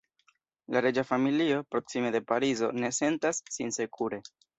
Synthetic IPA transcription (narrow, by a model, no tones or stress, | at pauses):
laɾe̞d͡ʒafamilio̞pɾo̞ksime̞de̞paɾizo̞̰ne̞se̞ntasːinse̞kʰuɾe̞